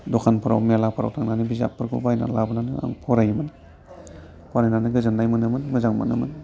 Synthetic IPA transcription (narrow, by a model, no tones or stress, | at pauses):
dokʰanpʰɯɾa̰wmijalapʰɯɾa̰wtʰaŋnanibiza̰pʰːɯɾkʰṵbajna̰labɯnanɯa̰ŋpʰɔɾajimɯn | pʰoɾajnanɯɡɯzandajmɯnɯmɯnmɯzaŋma̰nɯ̰mɯn